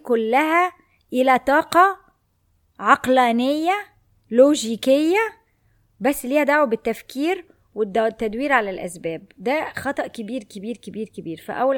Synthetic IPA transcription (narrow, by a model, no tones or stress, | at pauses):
kʊlːæhæ | ʔɪlæt̪ˤɑːqɑ | ʕɑqlæːnejːæ | loːʒiːkejːæ | bæsːliːhæd̪aʕwbɪt̪ːæfkiːɾ | wɪd̪t̪ːæd̪wiːɾʕalælʔæ̰sbæːb̚d̪æxɑt̪ˤɑʔkɪbiːɾkɪbiːɾkebiːɾkɪbiːɾfæ̰ʔæwːæl